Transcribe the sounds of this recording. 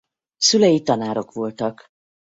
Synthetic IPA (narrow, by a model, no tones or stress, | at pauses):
sylɛjit̪ɒnaːɾo̞kʋo̞lt̪ɒk